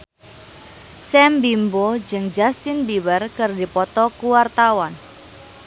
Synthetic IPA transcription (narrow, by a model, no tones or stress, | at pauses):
sɛmbimbod͡ʒɨŋd͡ʒast̪ɪnbiwərkɨrdipɔt̪ɔkuwart̪awan